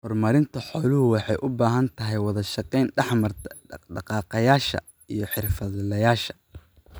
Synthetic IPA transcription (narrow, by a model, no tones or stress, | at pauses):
hɔrmɐɾɪnt̪ʰɐħɔːlʊɦʊwɑħɑjʔʊbaːɦɐnt̪ʰɐɦɛjwɑðɐʃɑqɛjnɖɑħmɐrɖɑqɑːqɐjaːʃɐ̰ | ijɞħɪrfɐðlɐjaːʃɐ̥